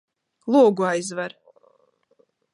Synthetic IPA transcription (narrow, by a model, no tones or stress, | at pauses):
lˠuːɡuajzvaɾ